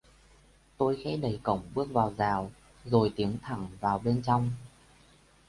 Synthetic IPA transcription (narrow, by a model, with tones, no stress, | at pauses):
t̪o˧jxɛ̰˧˦˥ɗə˨˩jkə˧˩wŋ͡mɓɨ˦˥ək̚vaː˨˩wzaː˨˩w | zo˨˩jt̪i˨˦əŋt̪ʰa˧˩ŋvaː˨˩wɓe˧nt͡ɕɔ˧wŋ͡m